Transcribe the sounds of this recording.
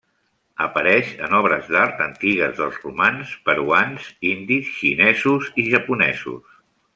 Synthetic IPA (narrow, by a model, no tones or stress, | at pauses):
əpəɾɛʃə̰nɔβɾəzd̪aɾt̪ənt̪iɣəzðəlˠzrumanspəɾuanzind̪isʃinɛzuziʒəpunɛzṵs